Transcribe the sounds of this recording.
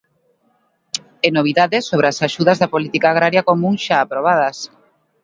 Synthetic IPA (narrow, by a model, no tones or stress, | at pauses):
enoβ̞iðaðɪsːoβɾeasaʃuð̞ɐzðɐpolit̪ikaːɣ̞ɾaɾjakomũŋʃaːpɾoβ̞að̞ɐs